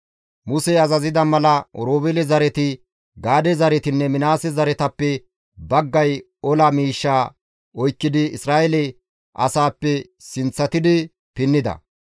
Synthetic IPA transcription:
mʊsɛɐzɐzɪd̪ɐmɐlɐɔɾoːbɛlɛzɐɾɛt̪ɪ | ɡaːd̪ɛzɐɾɛt̪ɪnːɛmɪnaːsɛzɐɾɛt̪ɐpːɛ | bɐɡːɐj | ɔlɐmiːʃːaː | ɔjkːɪd̪ɪɪsɾaːʔɛlɛ | ʔɐ̰saːpːɛ | sɪnt͡sːɐt̪ɪd̪ɪ | pɪnːɪd̪ɐ̰

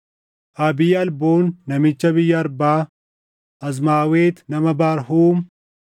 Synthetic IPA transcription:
ʔɐbɪjɐɐlboːnːɐmɪt͡ʃːɐbɪjːɐːɾbaː | ʔɐz̬maːweːt̪nɐmɐbaːɾhuːm

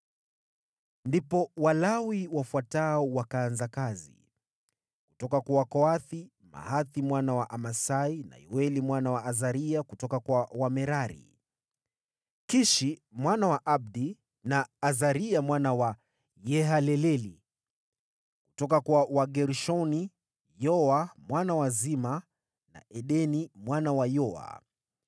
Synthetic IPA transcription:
ndipɔwalawiwafwataɔwakaːnzakazḭ | kutɔkakwawakɔaθi | ma̰haθimwanawaʔamasaina̰ḭwɛlimwanawaʔazaɾiakutɔkakwawamɛɾaɾḭ | kiʃimwanawaʔab̚di | naːzaɾiamwanawa | jɛɦalɛlɛli | ku̥tɔkakwawaɡɛɾʃɔni | jɔamwanawazima | na̰ʔɛɗɛnimwanawajɔa̰

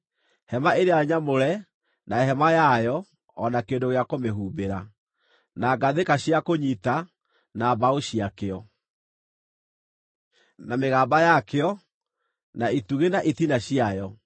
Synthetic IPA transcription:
hɛmaeɾeaɲamoɾɛ | naeɦɛmajajɔː | nakeːndoɣeakomeɦuːbeɾa | naɡaðekaɕiakoɲita | nabaoɕiakeɔ | nameɣaːbajakeɔ | naituɣenaʔitinaɕiajɔ

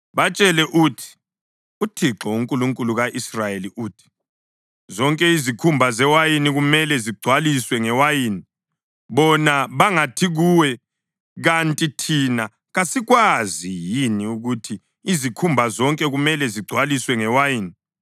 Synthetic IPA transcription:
βat͡ʃʼɛlɛʔutʰi̥ | utʰiǁɔuŋkʼuluŋkʼuluɣaʔisrajeliʔuːtʰi̥ | zɔŋkʼɛizikʰumbʱazɛwajiniɣumɛlɛziɡ͡ǀʱwaliswɛŋɛwajiːni | βɔnaβaŋatʰiɣuwɛ | ɣantʼitʰina | ɣasiɣwazijiniuɣutʰiː | zikʰumbʱazɔŋkʼɛɣumɛlɛziɡ͡ǀʱwaliswɛŋɛwajiːni

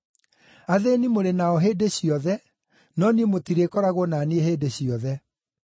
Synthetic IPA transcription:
aðenimoɾenaɔɦeːdeɕiɔðɛ | nɔniemotiɾekɔɾaɣonanieheːdeɕiɔðɛ

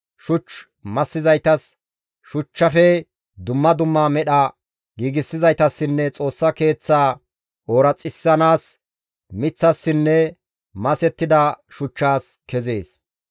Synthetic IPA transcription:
ʃʊt͡ʃː | mɐsːɪzɐjt̪ɐs | ʃʊt͡ʃːɐfɛ | d̪ʊmːɐd̪ʊmːaːmɛɗɐ | ɡiːɡɪsːɪzɐjt̪ɐsːɪnːɛt͡sʼo̞ːsːɐke̞ːt͡sːaː | oːɾɐt͡sʼːɪsːɐnaːs | mɪt͡sːɐsːɪnːɛ | mɐsɛt̪ːɪd̪ɐʃʊt͡ʃːaːs | kɛze̞ːs

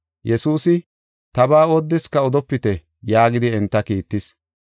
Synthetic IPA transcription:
jɛsuːsɪ | t̪ɐbaːod̪ːɪskɐɔd̪ɔpːɪt̪ɛ | jaːɡɪd̪ɪɛnt̪ːɐkiːt̪ːɪs

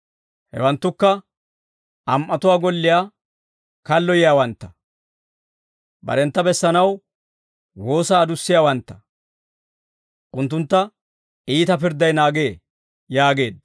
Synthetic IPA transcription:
hɛ̰wɐnt̪ːʊkːɐ | ʔɐmʔɐt̪ʊwaːɡɔlːɪjaː | kɐlːɔjɪjaːwɐnt̪ːɐ̥ | bɐ̰ɾɛnt̪ːɐbɛsːɐnɐw | wo̞ːsaːd̪ʊsːɪjaːwɐnt̪ːɐ̥ | ʔʊnt̪ːʊnt̪ːɐ | iːt̪ɐpɪɾd̪ɐjnaːɡe̞ː | jaːɡe̞ːd̪

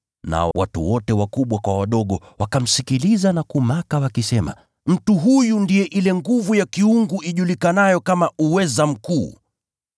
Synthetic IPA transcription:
na̰wa̰tṵwɔtɛwakuɓwakwawaɗɔɠɔ | wakam̩sikilizanakumakawakisɛma̰ | m̩tuɦujundijɛʔilɛŋɡuvujakiuŋɡuʔiʄulikanajɔkamauwɛzam̩kuː

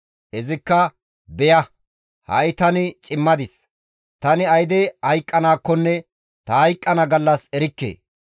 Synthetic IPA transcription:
ɛzɪkːɐ | bɛjɐ | hɐ̰jt̪ɐnɪt͡ʃʼɪmːɐd̪ɪs | t̪ɐnɪɐjd̪ɛhɐjkʼːɐnaːkːɔnːɛ | t̪ɐhɐjkʼːɐnɐɡɐlːɐsɛɾɪkːḛː

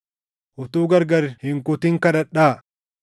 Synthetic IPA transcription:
ʔʊt̪uːɡɐɾɡɐɾhɪŋkʊt̪ɪŋkɐᶑɐᶑaː

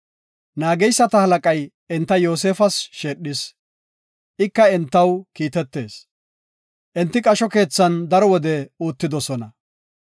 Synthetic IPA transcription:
naːɡɛjsːɐt̪ɐhɐlɐkʼɐj | ɛnt̪ːɐjo̞ːs̬eːfɐsʃeːɗɪs | ʔɪkːɐɛnt̪ːɐwkiːt̪ɛt̪ːe̞ːs | ʔɛnt̪ːɪkʼɐʃɔke̞ːt͡sːɐnd̪ɐɾɔwɔd̪ɛuːt̪ːɪd̪ɔsɔnɐ

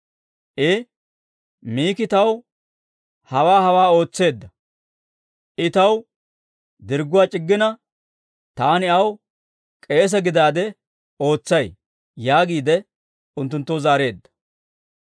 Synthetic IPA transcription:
ʔɪ | miːkɪt̪ɐw | hɐwaːhɐwaːo̞ːt͡sːe̞ːd̪ːɐ | ʔɪt̪ɐw | d̪ɪɾɡʊwaːt͡ʃʼɪɡːɪnɐ | t̪aːnɪɐw | kʼe̞ːs̬ɛɡɪd̪aːd̪ɛ | o̞ːt͡sːɐj | jaːɡiːd̪ɛ | ʊnt̪ːʊnt̪ːɔwzaːɾe̞ːd̪ːɐ̥

